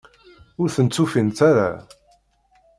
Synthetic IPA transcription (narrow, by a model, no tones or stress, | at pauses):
ʊɾθənt͡sːufint̪aɾa̰